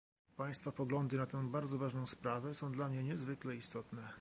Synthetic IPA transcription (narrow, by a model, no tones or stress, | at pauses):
paj̃st̪fapɔɡlɔnd̪ɘnat̪ɛ̃w̃baɾd̪zɔvaʐnɔ̃w̃spɾavɛsɔ̃w̃d̪lamɲɛɲɛzvɘklɛist̪ɔt̪nɛ